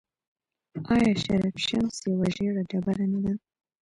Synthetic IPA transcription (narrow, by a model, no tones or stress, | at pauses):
ɑjɑʃaɾafʃamsjawaʒeɽaɖabaɾanad̪a